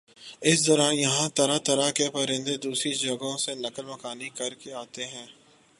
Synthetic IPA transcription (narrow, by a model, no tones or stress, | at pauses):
ɪsd̪ɔːɾaːnjɐɦãt̪ɐɾat̪ɐɾakepɐɾɪ̃nd̪ed̪uːsɾid͡ʒɐɡõsenɐkəlmɐkaːnikɐɾkeaːt̪eɦɛ̃ː